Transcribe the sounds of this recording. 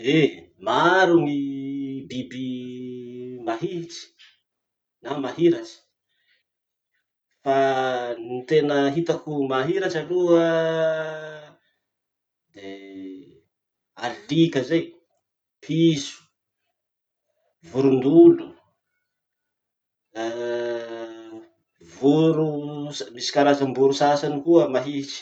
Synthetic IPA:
emaɾumibibi | maɦiʈ͡ʂi̥ | namaɦiɾat͡ʃi̥ | fanit̪enəɦit̪akumaɦiɾaʈ͡ʂaluə | d̪e | alikəzej | pʰisu̥ | vuɾund̪ulu | ə | vuɾusamisi̥kaɾazambuɾusasanikuəmaɦit͡ʃi̥

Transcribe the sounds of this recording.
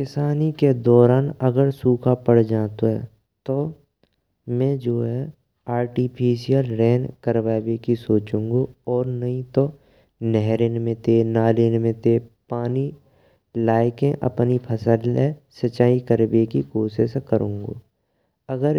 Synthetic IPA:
kɪsaːniked̪ɔːɾaːnɐɡəɾsuːkʰapəɽ̤d͡ʒaːt̪oɦɛ̰ | t̪o | mɛ̃d͡ʒoːɦɛ | aːɾʈipʰiːʃijəlɾɛːnkəɾʋaːbekisoːt͡ʃũːŋɡoɔːɾnɐɦĩt̪o | nɛɦɾenmẽt̪enaːlenmẽt̪epaːni | laːɪkẽʔɐ̰pnipʰəsəlesət͡ʃaːikəɾbekikoːʃeʃkəɾʔũːŋɡoː | ɐɡəɾ

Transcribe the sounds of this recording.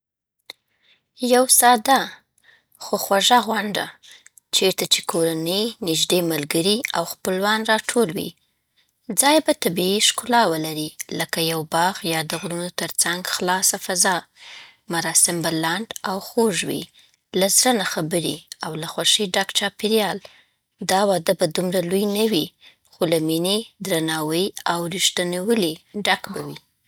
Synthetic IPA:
jawsɑd̪a | xoxwaʒaɣwaɳɖa̰ | t͡ʃeɾt̪at͡ʃe̥kʰoɾanəjnɪʒd̪emalɡəɾiawxpəlwanɾɑʈʰolwḭ | d͡zɑjbat̪abiiʃkʊlɑwəlaɾiləkajawbɑɣjɑd̪əɣɾunot̪əɾt͡saŋɡxlɑsafazɑ | maɾɑsɪmbalaɳɖawxoʒwḭ | lazɾənaxabəɾiawlaxwaʃəɖakt͡ʃɑpiɾjɑl | d̪ɑwɑd̪əbad̪umɾalujnawi | xolamined̪ɾanɑwəjawɾiʃt̪anewəliɖakbawi

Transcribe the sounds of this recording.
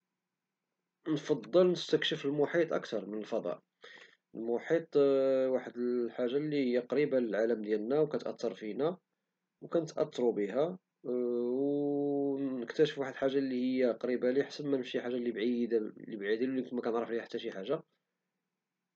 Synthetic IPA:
nfɑd̪ˤːəlnəst̪əkʃəfəlmʊħit̪ˤʔə̰kt̪ɑɾˤmənəlfɑd̪ˤɑ̰ʔ | əlmʊħit̪ˤwaħəd̪əlħaʒːalːihəjːæqɾibaləlʕaləmd̪jælnæwkæt̪ʔɑ̰t̪ːɑɾˤfinæ | wkænət̪ʔɑ̰t̪ʰːɾubəhæ | w | nəkt̪æʃəfwaħəd̪əlħaʒːalːihəjːæqɾibæliħsəbmænəfʃiħaʒːalibʕid̪libʕid̪ilulit̪mækænʕɾˤəflihæħḁt̪ːæʃiħaʒːa

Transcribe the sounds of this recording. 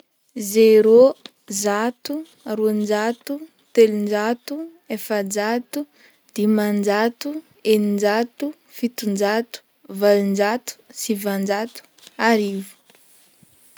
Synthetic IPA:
zeɾo | zat̪u | aɾund͡ʒat̪u | t̪elund͡ʒat̪u | efəd͡ʒat̪u | d̪̥imand͡ʒat̪u | enind͡ʒat̪u | fit̪und͡ʒat̪u̥ | valind͡ʒat̪u̥sivand͡ʒat̪u̥ | aɾivu̥

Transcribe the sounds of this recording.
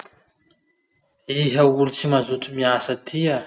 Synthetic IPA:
iɦəulit͡simazut̪umiasət̪ʰia

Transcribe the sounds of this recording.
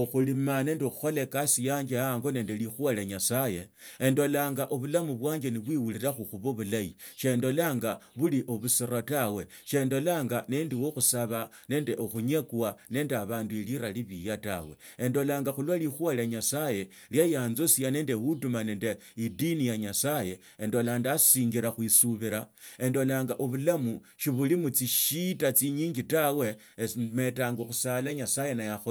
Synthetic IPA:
oxulimane̞ːndeoxuxo̞lekasijaːɲd͡ʒeaŋɡo̞ne̞ːndelixwaleɲasaje̞ | endo̞laːŋɡaʔoβulamuβwaːɲd͡ʒeniβwiwuliɾaxuxuβoβulajiʃe̞ndo̞laːŋɡaβuliʔoβusiɾotawe̞ʃe̞ndo̞laːŋɡanendiwoxusaβa | ne̞ːndeʔoxuɲe̞kuwane̞ːndeaβaːndueliɾaliβijata̰we̞̰ | endo̞laːŋɡaxulwalixwalaɲasaje̞ | ljajaːnzosiane̞ːndexutumane̞ːnde | idinijaɲasaje̞ | endo̞landasiːŋɡiɾaxwisuβiɾae̞ndo̞laːŋɡaʔoβulamu | ʃiβulimut͡siʃitat͡siɲiːɲɡitawe̞ | me̞taːŋɡoxusalaɲasaje̞najaxo

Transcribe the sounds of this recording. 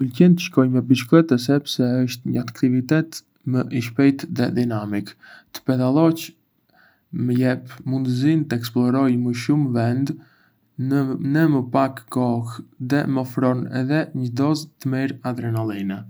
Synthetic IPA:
əlcɛnt̪əʃkɔjmɛbiʃklɛt̪ɛs̬ɛpsɛəʃt̪ɲəat̪kt̪ivit̪ɛt̪ | məʔiʃ̬pɛjt̪ðɛd̪inamikt̪ə̥pɛd̪alˠɔt͡ʃ | məjɛpmund̪əzint̪əɛksplˠɔɾɔjməʃumvɛnd̪ | nəməpakːɔxðɛmɔfɾɔnɛ̰ðɛɲəd̪ɔzt̪əmiɾad̪ɾɛnalˠinɛ

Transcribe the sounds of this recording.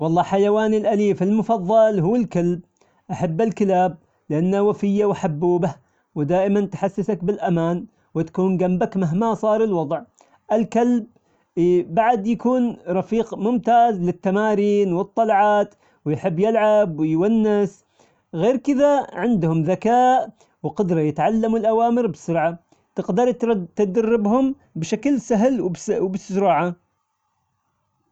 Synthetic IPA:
wɑlˤːɑːħajawaːnɪlʔaliːfɪlmʊfɑðˤːɑlɦuːɪlkalb̚ | ʔaħabːɪlkɪlaːb̚ | lɪʔanːawafɪjːawaħabːuːbah | wɪd̪aːʔɪmant̪ħasːɪsakbɪlʔamaːn | wɪt̪ḁkuːnɡambakmaɦmasˤɑːɾˤɪlwɑd̪ˤʕ | ʔɪlkalb̚ː | aʕd̪jakuːnɾˤɑfiːqmʊmt̪aːzlɪt̪ːamaːɾiːnwɨt̪ˤːɑlʕɑːt̪ | wjħɪbːjɪlʕabwɪjwanːɪs | ɣeːɾkɪðaʕɪnd̪hʊmðakaːʔ | wqʊd̪ɾˤɑjɪt̪ʕalːamʊlʔawaːmɪɾbsʊɾʕa | t̪ɪqd̪ɑɾˤt̪ad̪arːɪbhʊm | bʃaklsaɦlwbwbɪsʊɾˤɑːʕa

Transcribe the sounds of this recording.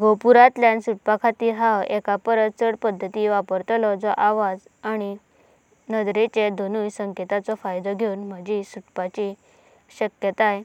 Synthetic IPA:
ɡopuɾat̪ljansuʈ̚pakʰat̪iːɾɦawekapəɾət̪t͡səɽpəd̪ʱːət̪iːʋapəɾt̪lɔd͡zɔʔaʋad͡z | aɽ̃i | nəd̪ɾet͡ɕed̪ʱonuːjsəŋket̪at͡sɔfajd̪ɔɡʱeunm̤əd͡ʑisuʈpat͡ɕi | ɕəkjət̪aj

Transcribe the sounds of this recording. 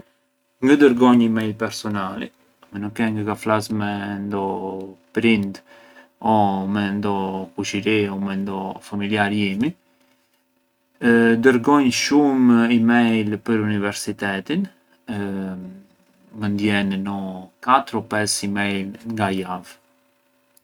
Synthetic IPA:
ŋɡəd̪əɾɡɔɲimɛjlpɛɾsɔnalɛ̰ | mɛnukːɛŋɡəɡaflasmɛnd̪ɔpɾind̪ | ɔmɛnd̪ɔkuʃiɾiɔmɛnd̪ɔfamiljaɾjimi | d̪əɾɡɔɲʃumimɛjlpəɾunivɛɾsit̪ɛt̪in | mənd̪jɛnːɔkat̪ɾɔpɛsimɛjlŋɡajav

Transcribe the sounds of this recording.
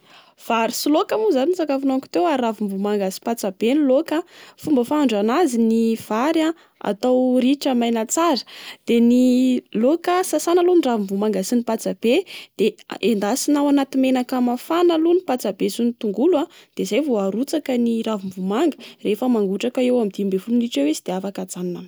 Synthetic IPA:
v̥aɾisilokamuzanint͡sakafunaŋku̥t̪ewaɾavimvumaŋɡasi̥pat͡sab̥enlokafumbəfaɳɖ͡ʐanaziniv̥aɾa | a̰t̪awriʈ͡ʂəmajnat͡saɾə̥d̪̥enilokəsasanaluniravimvumaŋɡasinipat͡sab̥ed̪̥eend̪asinawanat̪imenakamafanalunipat͡sabesunit̪uŋɡulad̪̥ezajvoaɾut͡sakəniravimvumaŋɡərefəmaŋɡuʈ͡ʂakaewamid̪imbefuluniʈ͡ʂewesid̪̥eafakad͡zanna

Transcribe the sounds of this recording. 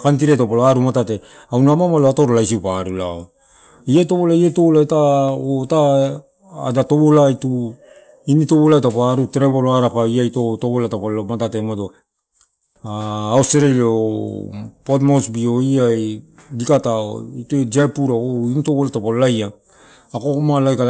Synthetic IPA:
kant̬iɾetopaloaɾumatate̞ | awnamamaloatoɾolaisiupaɾulao | iajto̞βolaietolaetaotaː | dato̞βolaitu | initoβolaetapoaɾuteɾeβoloaɾapaiajtotoβolatapaomatatemado | aːosteɾelo | potmosbioiaj | dikatao̰itued͡ʒapuɾaoinitoβolatapolajaː | komalajka

